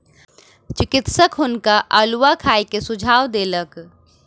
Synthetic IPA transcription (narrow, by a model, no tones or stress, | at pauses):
t͡ʃɪkɪt̪səkɦʊnkaʔəlʋakʰaːekesʊd͡ʒʱaːwd̪eːlək